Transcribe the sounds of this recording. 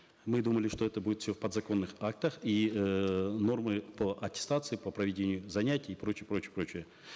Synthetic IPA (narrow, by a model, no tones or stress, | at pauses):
mɨd̪uməlʲɪʂt̪o̞ɛt̪əbudʲɪt̪fsʲofpəd̪zɐko̞nːɨxak̚t̪əxi | no̞rmɨpəʔɐtʲɪ̥st̪at̪sɨɪpəpɾəvʲɪdʲenʲɪjʊzɐnʲætʲɪjɪpɾo̞t͡ɕɪjəpɾot͡ɕɪjəpɾo̞t͡ɕɪjə